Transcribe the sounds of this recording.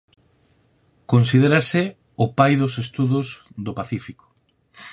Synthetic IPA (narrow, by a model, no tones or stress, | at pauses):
konsið̞eɾasɪ | opajðosest̪uðʊzðopaθifiko̥